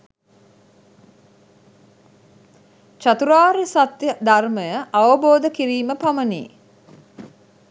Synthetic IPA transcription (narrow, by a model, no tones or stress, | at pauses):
t͡ʃat̪uɾaːɾisat̪jəd̪arməjəʔaʋəboːd̪əkiɾiːməpamənḭː